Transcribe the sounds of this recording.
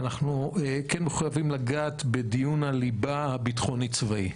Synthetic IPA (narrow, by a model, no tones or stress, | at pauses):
naχnuekenmeχujavimlaɡaːt̪bedijunalibahabitχonit͡svai